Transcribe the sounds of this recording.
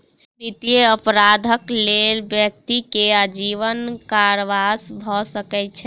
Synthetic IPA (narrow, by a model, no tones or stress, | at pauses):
bit̪jeəpɾad̪ʱəklelbjək̚t̪ikead͡ʒiʋənkaɾʋasbʱɔsəkɛt̪̚t͡ʃʰɛ